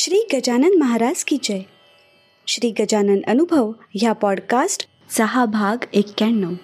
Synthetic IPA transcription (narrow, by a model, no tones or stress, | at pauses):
ʃɾiːɡəd͡ʒanənmɐɦaɾaːd͡ʒkid͡ʒəj | ʃɾiːɡəd͡ʒanənənubʱəʋ | japɔːɖkasʈ | səɦabʱaɡekːɛɳːəw